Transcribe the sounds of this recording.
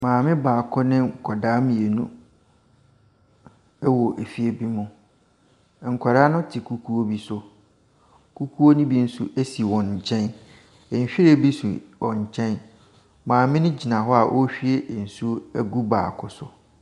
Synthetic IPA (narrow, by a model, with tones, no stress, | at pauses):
mãː˨mɪ̃˦baː˨kʰʊ˦nɪ̃˦ŋ̩˨kʰɔ˨daː˦mĩ˨e˨nũ˦ | ɛ˦wɔ˨ʔe˨fi˦e˦bi˦mʊ̃˨ | ŋ̩˨kʰɔ˨ɾa˦nʊ̃˦tʰɪ˨kʰu˨kʰu˦o˦bi˦sʊ˦ | kʰu˦kʰu˦o˦nĩ˦bi˦n̩˦su˦ʔe˦si˨wɔ̃˨nɲ̩˨t͡ɕʰɛ̃˦n | ɛ˨ɕᶣi˦ɾe˦˨bi˦su˨wɔ̃˨ɲ̩˨t͡ɕʰɛ̃˦n | mãː˨mɪ̃˦nʊ̃˦d͡ʑi˨nã˨ɦɔ˦a˨ʔɔ˦ɕᶣi˦e˦˨n̩˨su˦æ˨ɡu˦ba̰ː˨kʰʊ˦sʊ˨